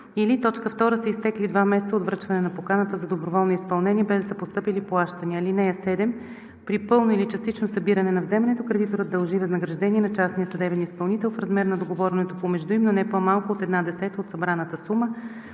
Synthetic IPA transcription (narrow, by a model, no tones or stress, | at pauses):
ilit̪ɔt͡ʃkəft̪ɔɾəsəist̪ɛklid̪vamɛsɛt̪sod̪vɾɤt͡ʃvɐnɛnɐpokanət̪əzɐd̪obɾovɔlˠniispɐlˠnɛniəbɛzd̪əsəpost̪ɤpiliplˠaʃt̪əniəlinɛjəsɛd̪ɛm | pɾipɤlˠnoilit͡ʃɐst̪it͡ʃnosɐbiɾɐnɛnɐvzɛmɐnɛt̪okɾɛd̪it̪oɾəd̪ɐlˠʒivəznəɡɾɐʒd̪ɛniɛnɐt͡ʃasnijəsɐd̪ɛbɛnispɐlˠnit̪ɛlˠfɾɐzmɛɾnɐd̪oɡovɔɾɛnɛt̪opomɛʒd̪uimnonɛpomalˠkʊot̪ɛd̪nad̪ɛsɛt̪əot̪sɐbɾanət̪əsumə